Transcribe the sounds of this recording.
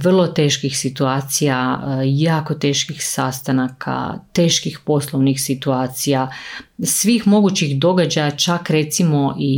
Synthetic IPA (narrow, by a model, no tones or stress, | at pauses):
ʋr̩lˠo̞t̪e̞ːʃkixsit̪uaːt̪sijajaːko̞t̪e̞ːʃkixsast̪anakʰa̰t̪eːʃkixpo̞slˠoʋnixsit̪uaːt̪sijasʋiːxmo̞ɡut͡ɕixd̪o̞ɡad͡ʑajat͡ʃakɾe̞t̪simo̞ʔi